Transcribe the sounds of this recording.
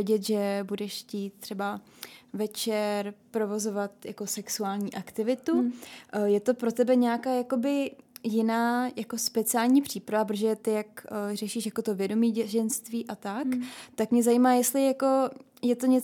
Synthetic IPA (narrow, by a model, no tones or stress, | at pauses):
ɛɟɛt̪ʒɛbudɛʃciːt̪̚t̪ːr̥ɛba | vɛt͡ʃɛɾpɾo̞vo̞zo̞vat̪jako̞sɛksuaːlɲiːʔakt̪ɪvɪt̪u | jɛt̪o̞pɾo̞t̪ɛbɛɲɛakaːjako̞bɪjɪnaːjako̞spɛt͡sɪaːlɲiːpr̝̥iːpɾavap̬ɾoʒɛjɛt̪ɪjakrɛʃiʃjakot̪o̞vjɛdo̞miːɟɛʒɛnst̪viːʔat̪akt̪akmɲɛzajiːmaːjɛst̪lɪjako̞ | jɛt̪o̞ɲɛ